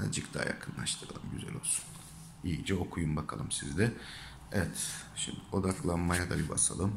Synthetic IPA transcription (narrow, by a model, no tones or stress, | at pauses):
d͡ʒɯkd̪ʰa̰ːja̰kʰɯnlˠa̰ʃt̪ʰɯɾa̰lˠɯmɟyzɛ̰lʲo̞lˠsu̥n | ijid͡ʒɛo̞kʰujumbakʰalˠɯmsizd̪ɛ | ɛvɛt̪ | ʃimd̪io̞d̪aklˠanmajad̪abibasalˠɯm